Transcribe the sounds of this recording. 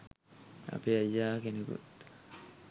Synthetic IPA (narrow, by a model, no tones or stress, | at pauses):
a̰peajːaːkenekṵt̪